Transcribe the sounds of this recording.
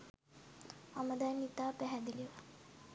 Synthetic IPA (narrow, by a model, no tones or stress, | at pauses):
aməd̪anit̪apɛɦad̪iliʋa